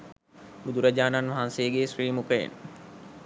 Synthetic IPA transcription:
bud̪uɾɐd͡ʑaːnanʋaɦanseːɡeːsɾiːmukəjḛn

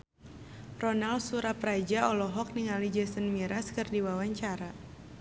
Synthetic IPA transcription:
rɔnalsuɾapɾad͡ʒaɔlɔɦɔk̚niŋalid͡ʒɛsənmiɾaskɨrdiwawaɲt͡ʃaɾa

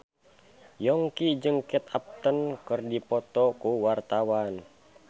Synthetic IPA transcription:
jɔŋkid͡ʒɨŋkɛt̪ap̚t̪ənkɨrdipɔt̪ɔkuwart̪awan

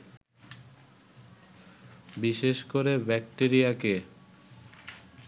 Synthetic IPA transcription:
biʃeʃkoɾebɛk̚ʈeɾijake

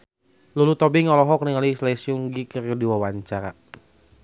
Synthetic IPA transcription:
lulut̪ɔbɪŋɔlɔɦɔkəniŋalislɛsiuŋɡikərdiwawaɲt͡ʃaɾa

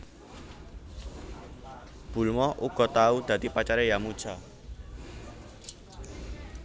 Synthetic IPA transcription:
b̥ṳlmɔʔuɡ̥ɔ̤t̪aud̪̥ä̤t̪ipat͡ʃaɾɛjamud̥ʒ̥a

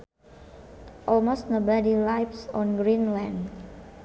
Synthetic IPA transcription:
ʔɔlmostnobadilajpsɔ̃nɡɹĩnlɛ̃nd

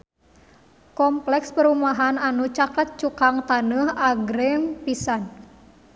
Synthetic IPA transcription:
kɔmplɛkspəɾumaɦananut͡ʃakət̪̚t͡ʃukaŋt̪anəhaɡɾɪŋpisan

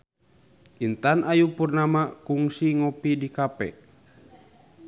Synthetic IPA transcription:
ʔint̪anʔajupurnamakuŋsiŋɔpidikapɛ̰

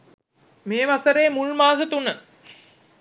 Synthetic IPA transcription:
meːʋasəɾeːmulmaːs̬ət̪unə

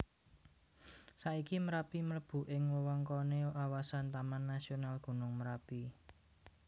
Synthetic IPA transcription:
saʔikiməɾapimələb̥ṳʔɪŋwəwɔŋkɔneʔawasant̪amanːasionalɡ̥ṳnʊŋməɾapi

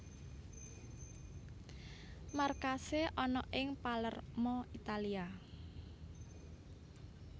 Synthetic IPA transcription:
markaseʔɔnɔʔɪŋpalərmɔit̪alia

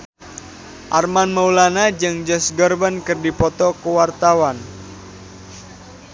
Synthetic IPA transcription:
ʔarmanmaulanad͡ʒɨŋd͡ʒɔsɡɔrbənkɨrdipɔt̪ɔkəwart̪awan

